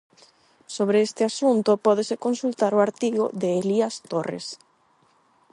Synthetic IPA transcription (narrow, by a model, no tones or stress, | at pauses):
soβ̞ɾeest̪ɪasunt̪opɔð̞esekonsult̪aɾoaɾt̪iɣo̰ðeːliast̪orḛs